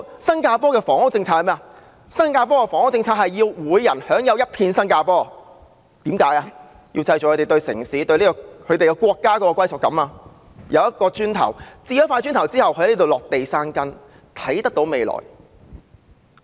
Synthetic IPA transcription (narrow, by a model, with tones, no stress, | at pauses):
sɐ˥nkaː˧pɔː˥kɛː˧fɔː˨ŋhʊ˥k̚t͡sɪ˧ŋt͡sʰaː˧khɐ˨mɛː˥a˧ | sɐ˥nkaː˧p̬ɔː˥kɛ˧fɔː˨˩ŋʊ˥t͡sɪ˧ŋt͡sʰaː˧hɐ˨jːiː˧wwuː˨˧jjɐ˨˩nhœː˨˥ŋjɐ˨˧wjɐ˥t̚pʰiː˧nsɐ˥nkaː˧pɔː˥˨ | t̪iː˨˥mkaː˨˥jaː˧ | jiː˧wt͡sɐ˧jt͡ɕɔ˨kʰɵ˨˧te˨jt̪o˧ɥsɪ̰˨˩ŋsiː˨˥t̪ɵ˧ɥliː˥kɔː˧kʰɵ˨˧t̪e˨jkɛ˧kʷɔː˧kːaː˥kɔː˧˥kɔː˧kwɐ˥jsɔː˨kɐ˨˥maː˧ | jʔɐ˨˧wjɐ˥t̚kɔː˧t͡ʃyː˥nt̪ʰɐ̰˨˩wt͡siː˧jɐ˥faː˧jt͡ʃyː˥nt̪ʰɐ˨˩wt͡siː˥hɐ˨wkʰɵ˧˥˧liː˥t̪o˨wlɔː˨k̚t̪e˨jsaː˥nkɐ˥n | t̪ʰɐ˨˥jt̪ɐ˥k̚t̪o˨˧˥wme˨jlɔ̰ː˨˩j